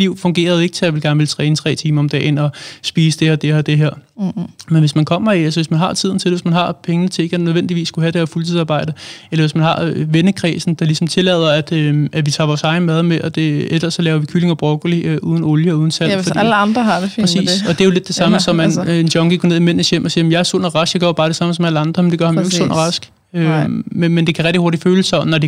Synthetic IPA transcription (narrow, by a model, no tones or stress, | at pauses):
liʊ̰fɔ̽ŋɡ̥e̝̰ːɐð̞ˠe̝ɡ̥ət͡sʰe̝jaʋe̝lɡ̥æɐnəʋelt͡sʰʁɛːnət͡sʰʁɛ̰ːt͡sʰiːmɐɒ̽md̥ɛ̰ːnɒ̽sb̥iːsəd̥eɐd̥eɒd̥e̝ɦeɐ̰menʋe̝smænkʰɒ̽m̰ɐiælsɐʋe̝smænɦɑ̈t͡sʰið̰ˠn̩t͡sʰe̝lʋe̝smænɦɑ̈pʰeŋnət͡sʰe̝e̝ɡ̥nøð̞ˠʋen̰d̥iʋḭːsːkuɦæd̥e̝hæːɐfult͡sʰiðˠsɑ̈ːb̥ɑ̈ɪ̰d̥əelɐʋe̝smænɦɑ̈ʋenəkʰʁɛːsn̩d̥ɑ̈lisɒ̽m̩t͡sʰe̝lɛð̞̰ˠɐæd̥øæʋit͡sʰɑ̈ːʋɒːsɑ̈ɪn̩mæð̞ˠmeʔɒd̥e̝elɐsːɒ̽lɛːʊɐʋikʰyle̝ŋɒb̥ʁɔɡ̥ɐliøʔuð̞ˠn̩oljəɒuð̞ˠn̩sæl̰fɒiləɑnd̥ʁɐɦɑdʰɛsḭːsɒ̽d̥eæjo̝led̥ːe̝sɑ̈məsɒ̽mænendɒ̽ŋɡ̥iɡ̥ʰɒne̝ð̰ˠimen̰̩sjem̰ʔɒ̽siːɐmjɑæɐso̰nɐʁɑ̈sɡ̥jɑɡ̥ɶɐb̥ɑ̈ːɾ̥e̝sɑ̈məsɒ̽mæləɑ̈nd̥ʁɐmend̥e̝ɡɶɐhɑmoeɡso̰nʔɐʁɑ̈sɡ̥ | ømemend̥e̝kʰæʁɛɡ̚d̥ihoɐd̥iføːləsɒnɒd̥e